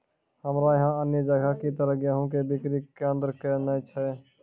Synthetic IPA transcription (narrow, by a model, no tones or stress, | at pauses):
həmɾajəɦãənjəd͡ʒəɡakit̪əɾəɡjəɦũkebikɾiend̪ɾkɛnət͡ʃʰɛ